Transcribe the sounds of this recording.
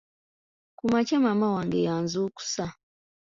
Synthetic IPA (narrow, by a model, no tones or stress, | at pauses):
kumat͡ʃemamawaŋɡejaːnzuːku̥sa